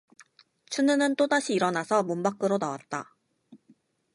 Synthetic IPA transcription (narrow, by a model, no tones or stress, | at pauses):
t͡ɕʰunɯnɯnt͈odaɕʰiːɾʌnasʰʌmombak͈ɯɾonawat̚t͈a